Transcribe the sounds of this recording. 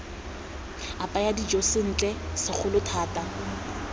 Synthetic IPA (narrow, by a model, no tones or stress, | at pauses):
apʼajadid͡ʒosɪn̩ːt͡ɬʼɛsɪk͡xʰʊlʊtʰaːtʼa